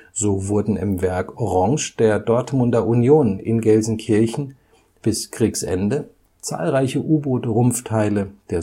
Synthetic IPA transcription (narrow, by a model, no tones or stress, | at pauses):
z̥oːvʊɐdn̩ɪ̰mvɛɐkʔɔʁɑ̃ŋʃd̥eːɐdɔɐtmʊndɐʔunjoːnɪ̰nɡɛlzn̩kʰɪɐçn̩ | b̥ɪskʁ̥iːksʔɛ̰ndə | t͡sa̰ːlʁaɪçəʔuːboːtʁʊmftʰaɪləd̥eːɐ